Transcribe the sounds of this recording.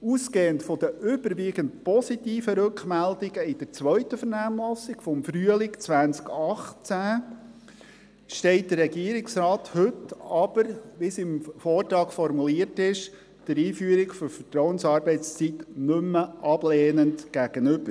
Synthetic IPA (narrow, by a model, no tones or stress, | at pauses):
uːskeːəntfɔd̥̪əʔʏb̥əɾʋiːɡəntpɔsitiːfəɾʉkχmældɪɡəɪd̥əɾt͡sʋœʏtəfəɾnæːmlɔsɪɡ̥fɔmfɾyəlɪkt͡sʋænskɑχt͡sæ | ʃtɛɪt̚d̥ərːɛɡiəɾɪksɾɑːthɵtɑb̥əɾʋisɪmfɔːrtɾɑːkfɔɾmuliətɪʃ | d̥əɾiːfyːəɾɪkfɔɾfətɾɔwənsɑːɾbɛɪt͡st͡sit̪nømːəʔɑb̥leːnəndɡ̥æɡ̥ənʏb̥əɾ